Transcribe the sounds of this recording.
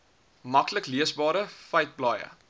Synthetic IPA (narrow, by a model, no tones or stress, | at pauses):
mɐkləkliəsbɑːɾəfəɥjt̚blɑːjə̰